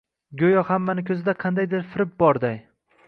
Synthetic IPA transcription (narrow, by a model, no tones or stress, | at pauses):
ɡʲojɒhamːanɪkʲʰɵzɪd̪aqʰɑnd̪ajd̪ɪɾfɪɾɪp̚bɒɾd̪aj